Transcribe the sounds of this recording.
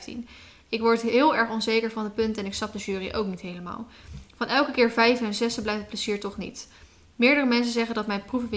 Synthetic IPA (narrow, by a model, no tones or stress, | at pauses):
tḭn | ɪkʋɔɹtɦɪːlˠɛɹχɔnzejkəɹvɑndəpɵntɛnɪkstɑp̚dəʒyːriʔo̰wknitɦejləma̰ːlˠvɑnɛlˠkəkɪːɹvɛjvəɛnzɛstəblɛjftəpləziːɹtɔχnḭt | mɪːɹdərəmɛns̬ənzɛχəndɑtmɛjnpruvəvɪ